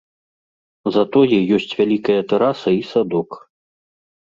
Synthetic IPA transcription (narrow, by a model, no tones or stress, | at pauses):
zɐt̪ɔjɛjɔsʲt͡sʲvʲalʲikɐjɐt̪ɛɾasɐisad̪ɔk